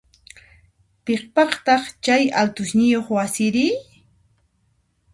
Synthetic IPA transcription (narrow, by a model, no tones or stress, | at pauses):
peχpɑχt̪ɑχt͡ʃajalt̪ʊʃnɪjoχwasɪɾɪ